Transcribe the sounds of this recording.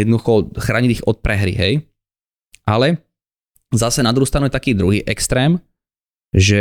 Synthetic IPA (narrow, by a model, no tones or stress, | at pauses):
ɛd̪nɔd̪uxɔxɾaːɲid̪iɣɔt̪̚pɾɛɦɾḭɦɛj | ʔalɛ | zasɛnad̪ɾuhust̪ɾanuʊjɛt̪akiːd̪ɾuɦiːʔɛkst̪ɾɛːm | ʒɛ